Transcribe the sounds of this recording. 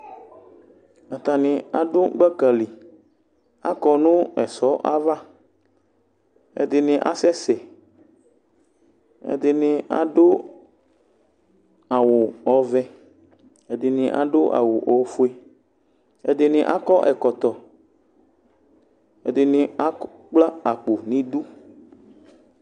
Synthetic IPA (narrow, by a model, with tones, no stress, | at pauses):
a˨t̪a˨nɪ̃˨a˨ɖo˦ɡ͡bɛ˦kə˨li˨ | a̰˦kɔ˨nũ˦ɛ˨sɔ˦ʔa˦va˦ | ḛ˨d̪ɪ˨nɪ̃˨ʔa̰˦sɛ˦sɛ˨ | ḛ˨d̪ɪ˨nĩ˨a̰˨ɖo˦ | a˨wʊ˨ɔ˨vɛ˦ | ɛ˨d̪ɪ˨nɪ̃˨ʔa˨ɖʊ˦ʔa̰˨wʊ˨ʔɔ˨fu˦e˦ | ɛ̰˨d̪ɪ˨nɪ̃˨ʔa̰˦kɔ˦ʔɛ˨kɔ˨t̪ɔ˨ | ɛ̰˨d̪ɪ˨nɪ̃˨a˦ | k͡pla˦a˨k͡po˨nĩ˦du˦